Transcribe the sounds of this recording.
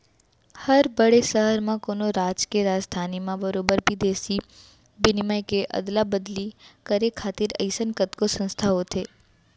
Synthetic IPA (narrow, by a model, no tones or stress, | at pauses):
həɾbəɽesəɦəɾmãkoːnoɾaːd͡ʒkeɾaːd͡ʒd̪ʱaːnimãbəɾoːbəɾbid̪eːsi | bɪnɪmajkeʔə̰d̪labəd̪likəɾekʰːaːt̪ɪɾɐ̰ɪsənkət̪kosə̃nst̪ʰaɦot̪ʰeː